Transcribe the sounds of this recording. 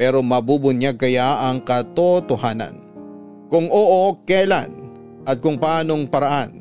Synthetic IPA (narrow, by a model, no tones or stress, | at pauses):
pɛːɾo̞mɐbubʊnjaɡ̚kɐjaʔɐŋkɐt̪ot̪ohaːnɐ̰n | kʊŋʔoːʔokɛla̰n | ʔɐt̪̚kʊŋpaːno̞ŋpɐɾaʔan